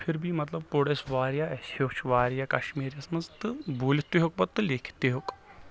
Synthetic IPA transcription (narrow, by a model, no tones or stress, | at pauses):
pʰɪɾbʱimɐt̪lɐb̚poɽesʋaːɾjaɛsoːt͡ʃʰʋaːɾjaːkɐʃmiːɾjaːsɐmɐnzt̪ɨbuːlt̪ːeɦok̚bɐt̪ːɨleːkʰt̪eɦoːk